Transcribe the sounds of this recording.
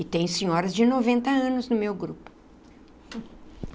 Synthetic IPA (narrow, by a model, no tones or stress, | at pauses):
ɪt̪ẽj̃sẽɲɔɾɐzd͡ʒɪnovẽnt̪ɐɐ̃nʊznʊmewɡɾupʊ̥